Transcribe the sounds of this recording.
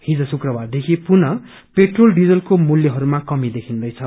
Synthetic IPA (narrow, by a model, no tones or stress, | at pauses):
hid͡zʌsukrʌbard̪ekʰipunʌ | peʈrolɖid͡zʌlkomuljʌɦʌɾumakʌmid̪ekʰind̪ʌjt͡sʰʌ